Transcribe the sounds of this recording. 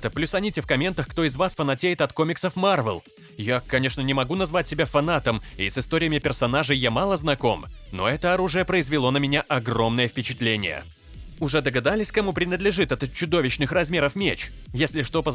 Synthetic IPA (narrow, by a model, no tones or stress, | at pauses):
t̪əplʲusɐnʲitʲɪfkɐmʲe̞nt̪əxkt̪o̞ɪzvasfənɐtʲejɪt̪ɐt̪ko̞mʲɪksəfmarvʲə̰lˠ | jakɐnʲe̞ʂnənʲɪmɐɡunɐzvatʲsʲɪbʲafɐnat̪əmḭsɨst̪o̞ɾʲɪjəmʲɪpʲɪrsɐnaʐɨjjamalˠəznɐko̞mno̞̰ɛt̪əɐɾuʐɨjəpɾəɪzvʲɪlˠo̞nəmʲɪnʲaʔɐɡro̞mnəjəfpʲɪt͡ɕɪt̪lʲenʲɪ̰jə̰ | ʊʐɛd̪əɡɐd̪alʲɪsʲkɐmupɾʲɪnəd̪lʲɪʐɨt̪ɛt̪t͡ɕːʊd̪o̞vʲɪɕnɨxrɐzmʲe̞ɾəfmʲet͡ɕjesʲlʲɪʂt̪opə